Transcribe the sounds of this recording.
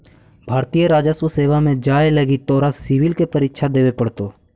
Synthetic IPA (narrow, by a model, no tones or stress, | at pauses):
bʱaːɾt̪ijəɾaːd͡ʒəswəseːʋamẽd͡ʒaːeləɡit̪ɔːɾasɪʋɪlkepɐɾɪkʃʰad̪eːʋepɐɽt̪oː